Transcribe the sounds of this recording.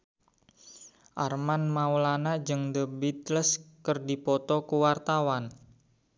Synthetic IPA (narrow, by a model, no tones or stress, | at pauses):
ʔarmanmaulanad͡ʒɨŋdəbit̪ləskərdipɔt̪ɔkuwart̪awan